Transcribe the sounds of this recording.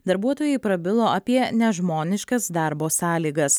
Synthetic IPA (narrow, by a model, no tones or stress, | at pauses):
d̪ɐɾbuɔt̪oːjɛɪpɾɐbʲɪlˠoːʔɐpʲiɛnʲɛʒmoːnʲɪʃkɐsd̪ɑɾboːsɑːlʲiːɡɐs